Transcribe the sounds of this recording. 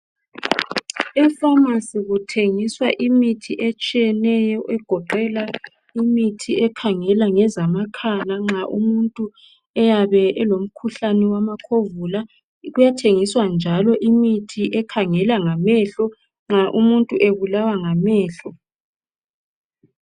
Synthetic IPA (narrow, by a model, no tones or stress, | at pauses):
ɛfamasiɣutʰeŋiswaʔimitʰiʔet͡ʃʼijɛnɛjɔʔɛɡ̥ʱɔǃɛla | imitʰiɛkʰaŋɛlaŋɛzamakʰanaŋ͡ǁaʔṵmuntʼu | ɛjaβɛɛlom̩kʰuɬanɛwamakʰovula | ɣujatʰeŋiswand͡ʒʱalɔʔimitʰiʔɛkʰaŋɛlaŋamɛɬɔ | ŋ͡ǁaʔumuntʼuʔeβulawaŋamɛːɬɔ